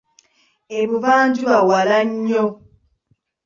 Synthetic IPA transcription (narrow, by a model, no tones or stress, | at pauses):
eβuβaːɲɟuawalaɲːo